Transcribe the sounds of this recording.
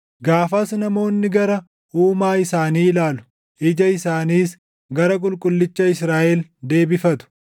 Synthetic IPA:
ɡaːfɐsnɐmo̞ːnːɪɡɐɾɐ | ʔuːmaːɪsaːniːlaːlʊ̥ | ʔɪd͡ʒɐɪsaːniːs | ɡɐɾɐkʼʊlkʼʊlːɪt͡ʃːɐɪsɾaːʔɛld̪e̞ːbɪfɐt̪ʊ̥

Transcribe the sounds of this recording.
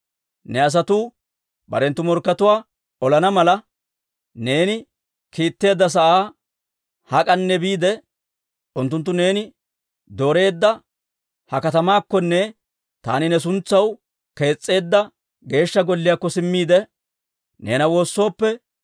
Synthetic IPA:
nɛɐs̬ɐt̪uː | bɐ̰ɾɛnt̪ːʊmɔɾkːɐt̪ʊwaː | ɔlɐnɐmɐlɐ | neːnɪ | kiːt̪ːe̞ːd̪ːɐs̬ɐʔaː | hɐkʼɐnːɛbiːd̪ɛ | ʔʊnt̪ːʊnt̪̬ːʊne̞ːnɪ | d̪o̞ːɾe̞ːd̪ːɐ | hɐkɐt̪ɐmaːkːɔnːɛ | t̪a̰ːnɪnɛs̬ʊnt͡sːɐw | ke̞ːt͡sʼːe̞ːd̪ːɐ | ɡe̞ːʃːɐɡɔlːɪjakːɔsɪmːiːd̪ɛ | ne̞̰ːnɐwo̞ːsːo̞ːpːɛ

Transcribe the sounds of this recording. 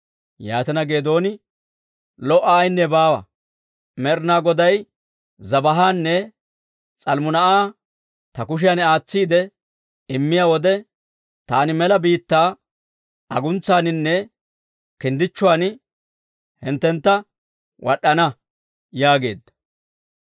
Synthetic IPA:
jaːt̪ɐnɐɡe̞ːd̪o̞ːnɪ | lɔʔɐːjnːɛbaːwɐ̰ | mɛɾnaːɡɔd̪ɐj | zɐbɐɦaːnːɛ | t͡sʼɐlmʊnɐʔaː | t̪ɐkʊʃ̬ɪjanaːt͡sːiːd̪ɛ | ɪmːɪjaːwɔd̪ɛ | t̪aːnɪmɛlɐbiːt̪ːaː | ɐɡʊnt͡sːaːnɪnːɛ | kɪnd̪ɪt͡ʃːʊwaːn | hɪnt̪ːɛnt̪ːɐ | wɐɗːɐnɐ | jaːɡe̞̰ːd̪ːɐ̥

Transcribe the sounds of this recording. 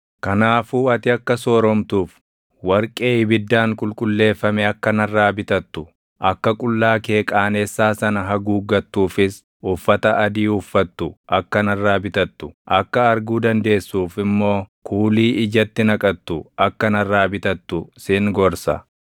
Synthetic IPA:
kɐnaːfuːɐt̪ɪɐkːɐsoːɾɔmt̪uːf | wɐɾkʼe̞ːɪbɪd̪ːaːŋkʼʊlkʼʊlːe̞ːfːɐmɛɐkːɐnɐrːaːbɪt̪ɐt̪ːʊ | ʔɐkːɐkʼʊlːaːkeːkʼaːnɛsːaːsɐnɐɦɐɡuːɡɐt̪ːuːfɪs | ʊfːɐt̪ɐʔɐd̪iːʊfːɐt̪ːʊʔɐkːɐnɐrːaːbɪt̪ɐt̪ːʊʔɐkːɐɐɾɡuːd̪ɐnd̪e̞ːsːuːfɪmːo̞ːkʰuːliːʔɪd͡ʒɐt̪ːɪnɐkʼɐt̪ːʊʔɐkːɐnɐrːaːbɪt̪ɐt̪ːʊsɪŋɡɔɾsɐ̰

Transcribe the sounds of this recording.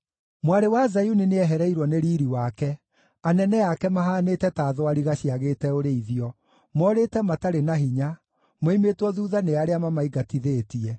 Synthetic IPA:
mwaɾewazajunineɛɦɛɾɛiɾwɔneɾiːɾiwakɛ | anɛnɛjakɛmaɦaːneːtɛtaːðoaɾiɣaɕiaɣeːtɛoɾeiðiɔ | mɔːɾetɛmataɾenaɦiɲa | moimetwɔðuːðaneaɾeamamaiɡatiðeːtiɛ

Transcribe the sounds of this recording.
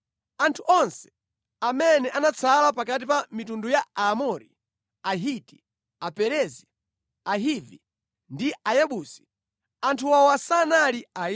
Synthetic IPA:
antʰuʔɔnsɛ̥ | amɛnɛʔanat͡sʰalapakat̬ipamitundujaamɔɾi | aɦiti̥ | apɛɾɛzi | aɦivi | ndiʔajɛɓusi̥ | antʰuwawasanalia

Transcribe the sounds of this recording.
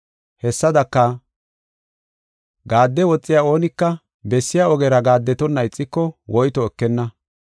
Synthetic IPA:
hɛsːɐd̪ɐkːɐ | ɡaːd̪ːɛwɔt͡sʼːɪjaːo̞ːnɪkːɐ | bɛsːɪjaɔɡɛɾɐɡaːd̪ːɛt̪ɔnːɐɪt͡sʼːɪkːɔwʔɔjt̪ɔɛkːɛnːɐ

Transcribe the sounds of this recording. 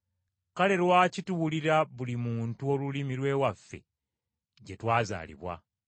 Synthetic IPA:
kale̞lwaːcituwuliɾaβulimuːntuo̞lulimiɾwe̞ːwafːe̞̰ | ɟe̞twaːza̰ːlḭβwa̰

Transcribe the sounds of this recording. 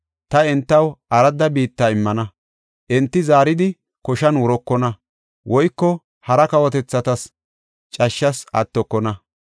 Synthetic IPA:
t̪ɐɛnt̪ːɐwʔɐɾɐd̪ɐbiːt̪ːaːɪmːɐnɐ | ʔɛnt̪ːɪzaːɾɪd̪ɪ | kɔʃɐnwɔɾɔkːɔnɐ | wʔɔjkːɔ | hɐɾɐkɐwɔt̪ɛt͡sːɐt̪ɐs | t͡ʃʼɐʃːɐsɐ̰t̪ːɔkːɔnɐ

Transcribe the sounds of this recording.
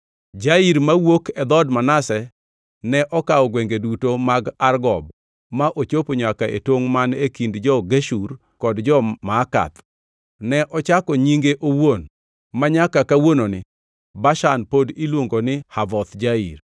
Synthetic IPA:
d͡ʒaiɾmawokɛd̪ɔdmanasɛ | nɛʔɔkaɔɡwɛŋɡedutomaɡarɡɔb̚ | maʔot͡ʃopoɲakaḛtwoŋmanekindd͡ʒɔɡeʃur | kɔdd͡ʒɔmaːka̰t̪ | nɛʔɔt͡ʃakɔɲiŋɡeʔowon | maɲakakawononɪ | baʃanpodilwoŋɡonɪhavɔt̪d͡ʒaḭɾ

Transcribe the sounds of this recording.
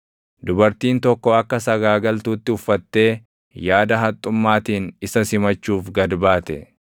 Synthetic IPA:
d̪ʊbɐɾt̪iːnt̪ɔkːɔɐkːɐsɐɡaːɡɐlt̪uːt̪ːɪʊfːɐt̪ːe̞ː | jaːd̪ɐɦɐt̪ʼːʊmːaːt̪iːnɪsɐsɪmɐt͡ʃːuːfɡɐd̪baːt̪ɛ̰

